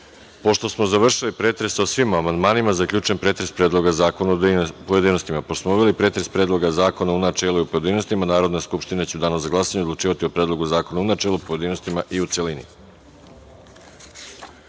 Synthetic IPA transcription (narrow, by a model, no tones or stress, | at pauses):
po̞ʃt̪o̞smo̞zaʋr̩ʃilipɾe̞ːt̪ɾe̞sosʋimamand̪maːnimazakʎʲuːt͡ʃe̞npɾe̞ːt̪ɾe̞spɾe̞ːd̪lˠo̞ɡazaːkonad̪pojed̪iːno̞st̪imaposmouʋelipɾe̞ːt̪ɾe̞spɾeːd̪lˠo̞ɡazaːko̞naunat͡ʃeːluiopoje̞d̪ino̞st̪imanaːɾo̞d̪neskupʃt̪inet͡ɕud̪aːnozaɡlasaɲeod̪lˠut͡ʃiːʋat̪iopɾeːd̪lˠo̞ɡuzaːko̞naunat͡ʃelupoje̞d̪iːno̞st̪imaʔiut̪se̞linḭ